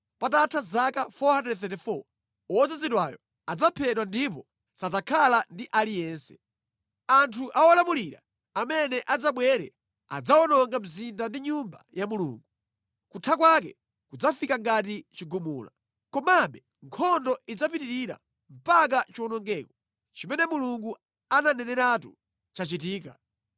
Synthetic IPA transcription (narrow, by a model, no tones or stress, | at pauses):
pat̬atʰazakafɔhandɛdθɛtɛfɔ̰ | ɔd͡zaziɗwajɔ̰ | ad͡zapʰɛtwandipɔ | sad͡zakʰalandiʔalijɛːnsɛ̥ | antʰuʔawɔlamuliɾa̰ | amɛnɛʔad͡zaɓwɛɾɛ̰ | a̰d͡zaɔnɔŋɡamizindandiɲumba̰jamulṵːŋɡu | kutʰakwakɛ̰ | kud͡zafikaŋɡat̬it͡ʃiɡumuːla̰ | kɔmaɓɛ | ŋkʰɔndɔʔid͡zapiɾiɾiɾa̰ | m̩pak̬at͡ʃiɔnɔŋɡɛːkɔ̥ | t͡ʃimɛnɛmuluŋɡu | ananɛnɛɾatu | t͡ʃat͡ʃitiːka̰